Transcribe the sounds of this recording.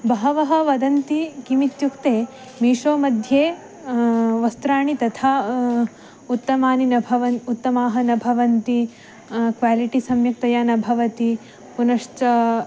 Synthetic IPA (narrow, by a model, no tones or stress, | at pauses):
bɐɦɐʋɐɦɐ̆ʋɐd̪ɐnt̪ikimit̪jukt̪eː | miːʂoːmɐd̪ʱjeː | ʋɐst̪ɾaːɳit̪ɐt̪ʰaː | ut̪ːɐmaːninɐbʱɐʋɐnut̪ːɐmaːɦɐnɐbʱɐʋɐnt̪i | kʋaːliʈisɐmjɐk̚t̪ɐjaːnɐbʱɐʋɐt̪i | punɐʂt͡ʃɐ